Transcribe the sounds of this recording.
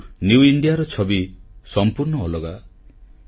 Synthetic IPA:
njuuiɳɖijaɾɔt͡ʃʰɔbisɔmpuɾɳɔːlɔɡa

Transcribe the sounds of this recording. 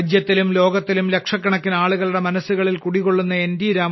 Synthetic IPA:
d͡ʑjɐt̪ːilumlo̞ːɡɐt̪ːilumle̞kʂɐkːɐɳɐkːinaːɭuɣɐɭuɽe̞mɐnɐsːuɣɐɭilkuɽikːo̞ɭːunːɐe̞ndiːɾaː

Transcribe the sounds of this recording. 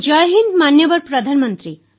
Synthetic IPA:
d͡ʒɔjɦinmanjɔbɔɾpɾɔd̪ʱanmɔnt̪ɾi

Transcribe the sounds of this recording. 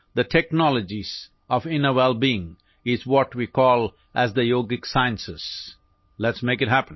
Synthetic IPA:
d̪əʈʰɛknɔləd͡ʒiz̥ | ɔvɪ̃nəwɛlˠbiɪ̃ŋ | ɪzwɔʈwikɔːl | ʔæzd̪əjoːɡɪksaɪə̃nsɪs | lɛtsmeɪkɨt̚ɦæpə̃n

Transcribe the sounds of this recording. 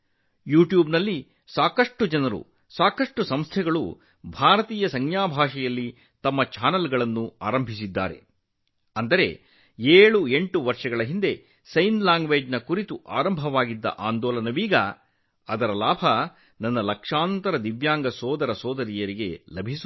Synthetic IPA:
juːʈjuːbnɐlːi | saːkɐʂʈud͡ʒɐnɐɾṵ | saːkɐʂʈusɐmst̪ʰɛɡɐɭṵ | bʱaːɾɐt̪iːjɐsɐŋjaːbʱaːʂɛjɐlːi | t̪ɐmːɐt͡ʃaːnɐlɡɐɭɐnːua̰ːɾɐmbʱis̬id̪ːa̰ːɾe̞ | ɐnd̪ɐɾe̞̰ | eːɭue̞ɳʈuʋɐɾʂɐɡɐɭɐɦind̪e̞ | sɐjnlaːŋɡʋeːd͡ʒnɐkuɾit̪uʔaːɾɐmbʱɐʋaːɡid̪ːɐ̰ʔaːnd̪ɔːlɐnɐʋiːɡɐ | ɐd̪ɐɾɐlaːbʱɐ | nɐnːɐlɐkʂaːnt̪ɐɾɐd̪iʋjaːŋɡɐsɔːd̪ɐɾɐsɔːd̪ɐɾijɐɾiɡe̞lɐbʱisu

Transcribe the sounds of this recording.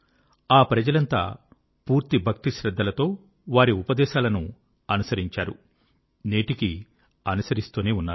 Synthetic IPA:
aːpɾɐd͡ʒɐlɐnt̪a̰ː | puːɾt̪ibʱɐk̚t̪iʃɾɐd̪ʱːɐlɐt̪o̞ː | ʋaːɾiupɐd̪ɛːʃaːlɐnu | ɐnusɐɾiɲt͡ʃaːɾṵ | ne̞ːʈiki | ɐnusɐɾist̪uːneːunːaːɾ

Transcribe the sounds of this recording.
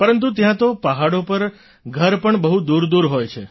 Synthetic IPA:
pəɾənt̪ut̪jãt̪opəɦaɽopəɾ | ɡʱəɾpəɳbəɦud̪uɾd̪uɾɦojt͡ʃʰe

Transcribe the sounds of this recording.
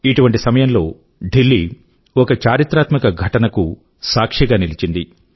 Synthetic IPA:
iʈuʋɐɳʈisɐmɐjɐnlo̞̰ː | ɖilːi | ɔkɐt͡ʃaːɾit̪ɾaːt̪mikɐɡʱɐʈɐnɐku | saːkʂiɡaːnilit͡ʃind̪i

